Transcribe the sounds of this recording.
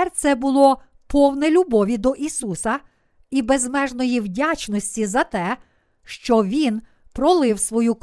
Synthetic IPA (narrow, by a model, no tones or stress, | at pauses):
rt̪sɛbʊlˠɔ | pɔwnɛlʲubɔʋʲid̪ɔʔisusɐ | ibezmɛʒnɔjiwdʲat͡ʃnɔsʲtʲizɐt̪ɛ | ʃt͡ʃɔʋʲin | pɾɔlˠɪwsʋɔjuk